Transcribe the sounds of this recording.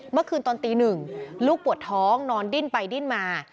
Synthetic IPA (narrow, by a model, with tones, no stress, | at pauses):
mɯ˥˩əkʰɯː˧nt̪ɔː˧nt̪iː˧nɯ˨˩ŋluː˥˩k̚pu˨˩ət̪ʰːɔː˦˥ŋnɔː˧ndi˥˩npa˧jdi˥˩nmaː˧